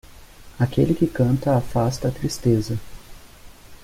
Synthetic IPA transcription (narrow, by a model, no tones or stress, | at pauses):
akḛlɪkɪkɐ̃nt̪ɐafast̪ɐːt̪ɾist̪ezɐ